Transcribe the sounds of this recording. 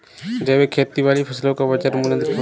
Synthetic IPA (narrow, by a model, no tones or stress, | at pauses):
d͡ʒɛːwekʰeːɾt̪iʋaːlipʰɐslõkabɐd͡ʒəɾmʊlə̃nd̪kʰː